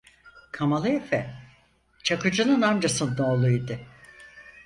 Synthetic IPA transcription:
kʰamalˠɯefɛ | t͡ʃʰakɯd͡ʒɯnɯnand͡ʒasɯnd̪oːlˠujd̪ɯ

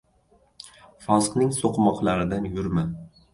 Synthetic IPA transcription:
fɒzqnɪŋsoqmɒqlˠaɾɪd̪anjʊɾman

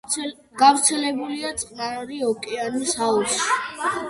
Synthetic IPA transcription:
ɡ̥avɾt̪sʰɛlɛbuliat̪sʼqʼnaɾiɔkʼɛansausi̥

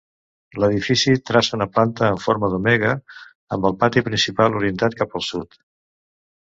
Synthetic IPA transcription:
ləðifisit̪ɾasəunəplant̪əːɱfoɾməðumɛɣ̞ə | əmbəlˠpat̪ipɾinsipalˠuɾiənt̪at̪̚kapəlˠsut̪

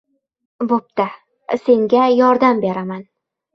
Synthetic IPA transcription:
bop̚t̪a | se̞ŋɡʲajɒɾd̪ambe̞ɾaman

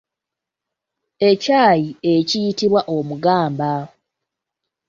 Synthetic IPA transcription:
ecaːjiecijitiβwaʔomuɡaːmba

